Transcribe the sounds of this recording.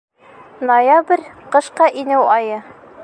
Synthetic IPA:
nojabrʲqɤ̆ʃqɑʔinɘwʔɒjɤ

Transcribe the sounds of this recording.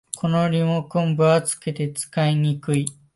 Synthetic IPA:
kʰo̞noɾʲimokõmbɯat͡sɨ̥ke̞t̪e̞t͡sɨ̥kaiɲ̟ikɯ̟i

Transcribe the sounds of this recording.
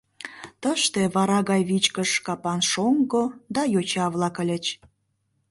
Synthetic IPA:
t̪əʃt̪eβɑɾɑɣɑjβit͡ɕkəʃkɑpɑnʃoŋɡod̪ɑjot͡ɕɑβlɑkə̆lʲə̆t͡ɕ

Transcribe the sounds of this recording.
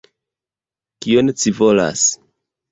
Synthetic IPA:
kionet͡sivo̞la̰s

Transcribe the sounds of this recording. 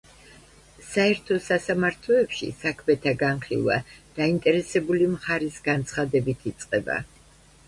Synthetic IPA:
saɛɾt̪ʰɔsasamaɾt̪ʰlɔɛpʃḭsakʰmɛt̪ʰaɡanχḭlˠva̰d̪̥aint̪ʼɛɾɛsɛbulimχaɾisɡant̪sʰχad̪ɛbit̪ʰit̪sʼqʼɛba̰

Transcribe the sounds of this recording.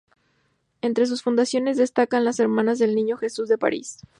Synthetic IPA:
e̞nt̪ɾe̞s̬usfund̪asjo̞ne̞zðe̞st̪akanlase̞ɾmãnazðe̞lnĩɲo̞xe̞suzðe̞pa̰ɾḭs

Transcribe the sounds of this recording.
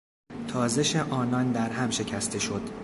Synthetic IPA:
t̪ʰɒːze̞ʃeʔɒːnɒnd̪æɾhæmʃe̞cʰæst̪ʰe̞ʃo̞d̪̥

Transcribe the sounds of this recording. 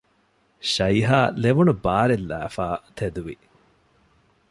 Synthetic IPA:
ʃɐiɦaːleʋunubaːɾelːæ̰ːfaːt̪ʰed̪uʋi

